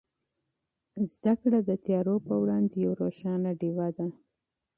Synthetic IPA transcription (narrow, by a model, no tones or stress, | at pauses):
zd̪akɽad̪ət̪jɑɾopəwɽɑnd̪ejawɾoʃɑnaɖiwad̪a